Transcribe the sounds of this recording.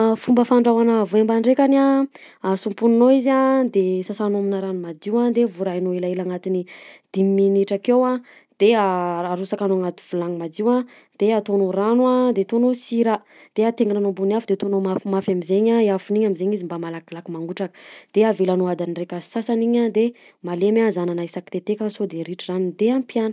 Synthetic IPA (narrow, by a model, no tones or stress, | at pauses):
fumbəfaɳɖ͡ʐawanavoembanɖ͡ʐekana | asumpuninoiziad̪esasanominaɾanumad͡ʒiwand̪evuɾajnoelaelaŋat̪inid̪̥imːiniʈ͡ʂakewa | d̪̥eaaɾusakanoaŋat̪i̥v̥ulaŋimad͡ʒiwa | d̪̥eat̪onoranwad̪et̪onosiɾa | d̪̥eat̪eŋinanombuniafd̪et̪onomafimafamizeɲaeafuniɲamizeɲizimbamalaklakimaŋɡuʈ͡ʂakə̥d̪̥eavelanoad̪anirekəsasaniɲad̪e | malemazananaisaki̥t̪et̪ekansod̪eɾiʈ͡ʂizanud̪eampjanə̥